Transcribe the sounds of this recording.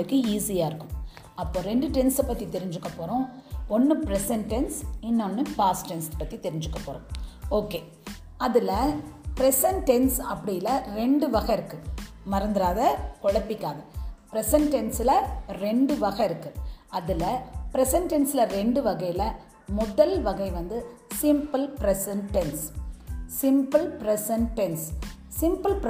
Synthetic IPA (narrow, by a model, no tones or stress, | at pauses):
ɯkːɯiːsɪjaːɪɾɯkːɯm | ɐpːoːɾɛɳɖɯʈɛnsɐpːɐt̪ːit̪ɛɾɪɲd͡ʒɯkːɐpːoːɾõːɔnːɯpɾɛsɐɳʈɛnsɪnːɐnːɯpaːsʈɛnspɐt̪ːit̪ɛɾɪɲd͡ʒɯkːɐpːoːɾõoːkeː | ɐðɪlɐpɪɾɛsɐnʈɛnsɐpːɐɽɪjɪlɐɾɛɳɖɯʋɐɣɐɪɾɯkːɯ | mɐɾɐnd̪ɪɾaːðɐkɔɽɐpːɪkːaːðɐpɪɾɛsɐnʈɛnsɪlɐɾɛɳɖɯʋɐɣɐɪɾɯkːɯɐðɪlɐpɪɾɛsɐnʈɛnsɪlɐɾɛɳɖɯʋɐɣɐjɪlɐ | mɔðɐlʋɐɣɐɪʋɐnd̪ɯsɪmpɐlpɾɛsɐnʈɛns | sɪmpɐlpɾɛsɐnʈɛns | sɪmpɐlp